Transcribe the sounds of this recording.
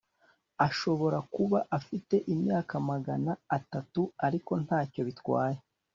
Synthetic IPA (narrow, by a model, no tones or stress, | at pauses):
aʃo̞βo̞ɾakuβaʔafite̞ʔimɲaːkamaɡanaːtatuaɾiko̞n̥haːco̞βitwaːje